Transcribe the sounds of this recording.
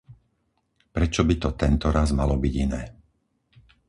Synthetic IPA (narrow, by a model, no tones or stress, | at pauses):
pɾɛt͡ʃɔbit̪ɔt̪ɛnt̪ɔɾazmalɔbiɟinɛː